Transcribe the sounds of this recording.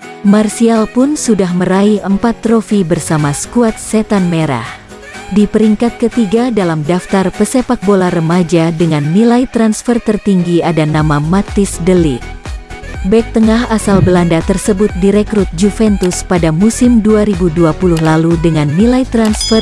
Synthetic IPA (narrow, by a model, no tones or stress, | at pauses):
marsialpʊnsudaɦməɾaiʔəmpat̪ːɾofibərsamasə̥kuat̪̚set̪anmeɾa̰h | dipəɾiŋkat̪̚kət̪iɡadalamdaft̪arpəsepak̚bolarəmad͡ʒadəŋanːilait̪ɾansfərt̪ərt̪iŋɡiadanamamat̪isdəlḭ | bɛk̚t̪əŋaɦasalbəlandat̪ərsəbʊt̪̚diɾekɾut̪̚d͡ʒufɛnt̪uspadamusimduaɾibuduapuluhlaludəŋanːilajt̪ɾansfər